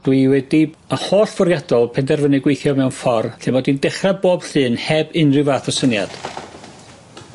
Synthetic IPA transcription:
d̥wiwɛdi | əhoːɬv̥ʊrjadɔlˠpʰɛndɛrvənɨɡwejθjɔmɛwnfɔrɬɪmɔdindɛχraboːb̥ɬɨːnhɛbɨnrɪvaθɔsənja̰d̥

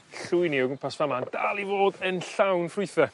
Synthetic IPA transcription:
ɬʊɨjnioɡəmpʰasvamand̥alˠivoːdənɬawnfrʊɨθɛ

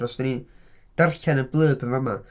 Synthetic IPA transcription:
rɔsd̥ənid̥arɬɛnənblˠəːbənvama

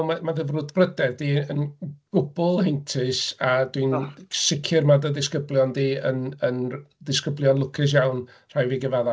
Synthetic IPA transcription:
mamaðəvrʊdbrədɛdiːənɡ̥ʊbʊlˠhentʰɨsadwinsɪkʰɪrmadəðɪskəblˠjɔndiːənəndɪskəblˠjɔnlˠʊkʰɪs̬jawn | r̥ajviɡəvaða

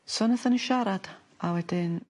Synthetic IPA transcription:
sɔnəθənəʃaɾad̥ | awɛdɪn

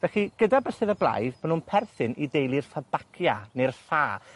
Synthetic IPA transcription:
vɛɬiɡ̥ədabəsɛðəblˠa̰jðmanunpʰɛrθɨnidejlˠirfabakʰjanerɬaː

